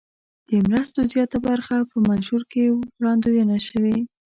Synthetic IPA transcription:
d̪̥əmɾast̪ozjɑt̪abaɾxapəmanʃuɾkeɾɑnd̪ojanaʃəwe

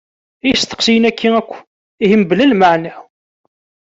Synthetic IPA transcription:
ijst̪ə̥qsijənækʰːiækʷː | ihəmbəlælmaʕnæ

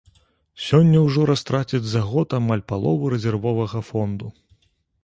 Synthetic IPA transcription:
sʲɔnʲːɐwʐɔɾast̪ɾat͡sʲid͡zʲzaɣɔt̪amalʲpalˠɔvɨɾɛzʲɛrvɔvɐɣɐfɔnd̪u

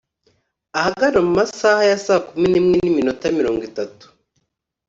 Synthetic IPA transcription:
ahaɡaɾamumasaːhajasaːkuminimŋeniminotamiɾo̞ːŋɡitatu̥

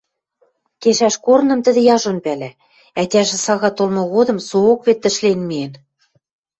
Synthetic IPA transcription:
keʃæʃkornɤ̆mt̪ə̆d̪ɘ̆jɑʒonpælæ | æt̪ʲæʒĕsɑɣɑt̪olmŏɣod̪ɤ̆msookβet̪ːɘ̆ʃlenmien

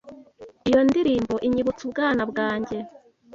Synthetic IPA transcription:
ijo̞ndiɾiːmbo̞ʔiɲiβut͡subɡaːnabɡaːɲɟe̞

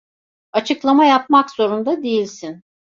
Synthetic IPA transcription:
at͡ʃʰɯklˠamajap̚makz̥o̞ɾund̪ad̪e̞jilʲsin

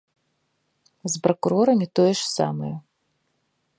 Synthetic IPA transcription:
zpɾɐkuɾɔɾɐmʲit̪ɔjɛʂsa̰mɐjɐ

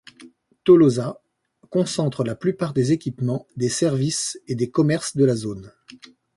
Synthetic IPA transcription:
t̪oloza | kɔ̃sɑ̃t̪χəlaplypaʁd̪ezekʲipmɑ̃d̪esɛʁvised̪ekɔmɛʁsd̪əlazon

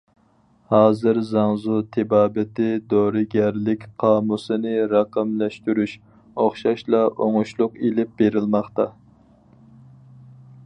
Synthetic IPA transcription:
hɑːzɨɾzɑŋzut̪ʰɪbɑːbɪt̪ɪd̪oɾɨɡʲæɾlɪkʲqʰɑːmusɨnɪɾɑqəmlɛʃt̪yɾyʃ | oχʃɑʃlˠɑʔoŋuʃlˠʊqelɪp̚beɾɪlmɑχt̪ɑ

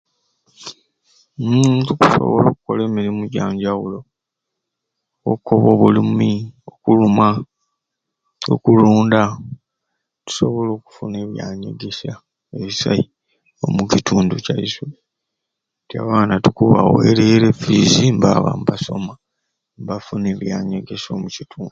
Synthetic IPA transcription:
tuku̥so̰βo̞lo̞ːkuko̞le̞ːmiɾimuɟaːɲɟawulo̞ | okːoβo̞ːβulimiokuluma | o̰kuluːnda | tu̥so̞βo̞lo̞ːku̥fune̞ːβjaːɲḛɡe̞sa | eβisa̰i | o̞̰mucitʰuːnducaisu | tja̰βaːnatukuβa̰wḛɾe̞ːɾe̞fizimbaβa̰mbaso̰ma | mbafune̞ːβjaːɲeɡe̞so̞ːmucitʰuːndu

